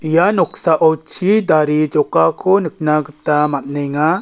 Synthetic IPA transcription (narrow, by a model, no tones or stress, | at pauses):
ijanɔk̚saʔɔwt͡ʃʰid̪aɾid͡ʒɔkakʰɔnɯk̚naɡɯt̪amat̚nɛŋa